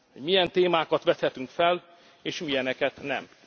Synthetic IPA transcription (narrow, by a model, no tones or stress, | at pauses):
ho̞ɟmijɛnt̪eːmaːkɒt̪ʋɛt̪hɛt̪yŋkfɛl | eːʃmijɛnɛkɛt̪nɛ̰m